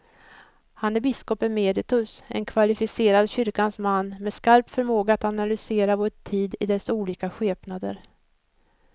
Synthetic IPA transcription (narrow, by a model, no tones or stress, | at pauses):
hanæɾbɪskɔpɛnmeːd̪ɪt̪ɵsɛ̰nkʰvalɪfɪseːɾad̪ɕʏɾkansmanːmɛskaɾpfœɾmoːɡaat̪analʏseːɾavoːʈʰiːd̪ɪd̪ɛsuːliːkaɧeːpnad̪ə̰ɾ